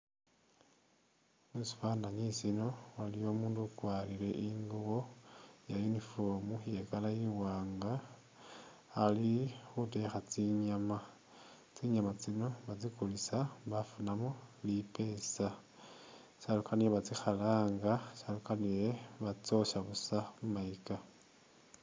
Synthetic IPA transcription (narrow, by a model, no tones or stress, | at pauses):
musi̥fandaɲisino̞walijo̞ːmuːndukwaːlile̞ʔiŋɡuβo̞jajunifo̞muje̞kalajiwaːŋɡa | lixute̞xat͡siɲama | t͡siɲamat͡sino̞βat͡sikulisaβafunamolipe̞sa | salukanijeβat͡sixalaːŋɡasalukanijeβat͡so̞ʃaβusaβumaika